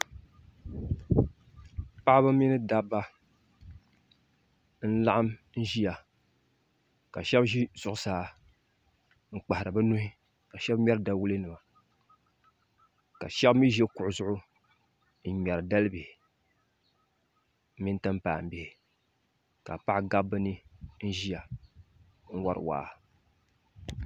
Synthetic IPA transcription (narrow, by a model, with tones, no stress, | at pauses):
pa˦ʔba˦mi˦nɨ˦da˦bːa˦ | n̩˦la˦ʔa˦mn̩˦ʒi˦ja˨ | ka˨ʃɛ˦bʒi˦zʊ˦ʔʊ˦saː˨ | ŋ̩˨k͡pa˨a˨ɾɨ˨ba˦nu˦hɪ˦ | ka˨ʃɛ˦bɲ˦ɛ˦ɾda˦wu˦lɨ˦nɨ˨ma˨ | ka˨ʃɛ˦bmi˦ʒɛ˦kʊ˨ʔʊ˨zʊ˦ʔʊ˦ | n̩˦˨ɲɛ˨ɾɨ˨da˦lɨ˦bi˨h | mi˦n˦tɨ˦m˦paː˨m̩˨bɪ˨hɪ˨ | ka˨pa˦ʔɡa˦bːɨ˦nɨ˦n̩˦ʒi˦ja˨ | ŋ̩˦wa˦ɾɨ̰˨wa̰ː˦˨